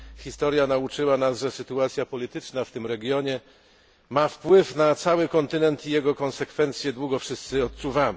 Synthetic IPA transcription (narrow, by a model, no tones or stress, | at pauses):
xʲist̪ɔɾjanaut͡ʂɘwanasʐɛsɘt̪uat̪sʲjapɔlʲit̪ɘt͡ʂnaft̪ɘmɾɛɡʲjɔɲɛ | mafpwɘfnat̪sawɘkɔnt̪ɘnɛnt̪ijɛɡɔkɔnsɛkfɛnt̪sʲjɛd̪wuɡɔfʂɘst̪sɘɔt̪̚suvam